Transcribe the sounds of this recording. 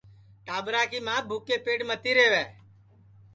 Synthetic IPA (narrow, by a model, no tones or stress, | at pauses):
ʈaːbɾaːkiːmãːbʱuːkeːpeːɖmət̪iːɾeːʋɛː